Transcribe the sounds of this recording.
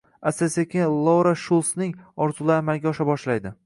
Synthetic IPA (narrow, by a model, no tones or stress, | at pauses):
asesekʲelˠɒwɾaʃulˠsnɪŋɒɾt̪ʰulˠamalɡʲaɒʃabɒʃlajd̪ɪ